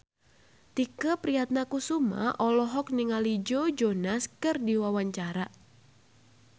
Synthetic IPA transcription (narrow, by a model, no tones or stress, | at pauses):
t̪ikəpɾiat̪̚nakusuma̰ʔɔlɔɦɔk̚niŋalid͡ʒod͡ʒonaskɨrdiwawaɲt͡ʃaɾa